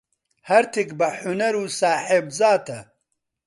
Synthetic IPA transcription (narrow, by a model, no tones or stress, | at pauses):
hɐɾt̪ʰikbɐħunɐɾuːsaːħebzaːt̪ʰɐ